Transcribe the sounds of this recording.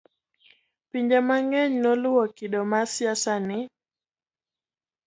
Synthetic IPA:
piɲd͡ʒamaŋɛɲnɔlʊwɔkɪdɔmasjasanɪ

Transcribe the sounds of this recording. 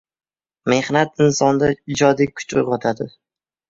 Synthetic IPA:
me̞hnat̪ɪnsɒnd̪aɪd͡ʒɒd̪ikʰʊ̥t͡ʃʊ̰jʁɒt̪ʰad̪ɪ

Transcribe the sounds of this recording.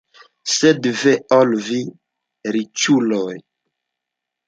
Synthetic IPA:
sedvɛɔlvi | ɾit͡ʃulɔj

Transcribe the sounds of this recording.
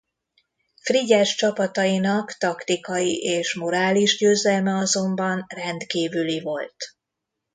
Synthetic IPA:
friɟɛʃt͡ʃɒpɒt̪ɒinɒkt̪ɒkt̪ikɒjiʔeːʃmo̞ɾaːliʒɟøːzɛlmɛɒzo̞mbɒnrɛnt̪kiːvylivo̞lt̪

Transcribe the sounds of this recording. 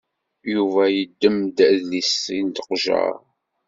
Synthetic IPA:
juvæjəd̪ːəmd̪æðlisːint̪ə̥qʒə̰ɾ

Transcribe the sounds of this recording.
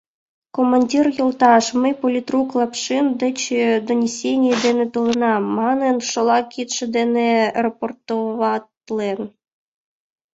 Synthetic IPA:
komɐnʲdʲirjolˠt̪ɑʂmɨpolʲit̪ruklˠɑpʂɨnd̪et͡ɕed̪onʲesʲenʲjed̪enet̪olˠɪnɑmɑnenʃolˠɑkʲit̪ʃed̪enerɐport̪oʋɑt̪lˠen

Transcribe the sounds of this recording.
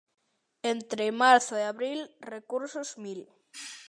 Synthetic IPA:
ent̪ɾemaɾθoeaβɾilrekuɾsozmil

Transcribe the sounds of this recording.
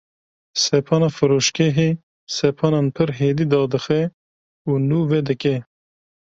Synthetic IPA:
sɛpʰɑːnɑːfɨɾoːʃkeɦeː | sɛpʰɑːnɑːnpʰɨɾɦeːd̪iːd̪ɑːd̪ɨxɛ | uːnuːvɛd̪ɨkɛ

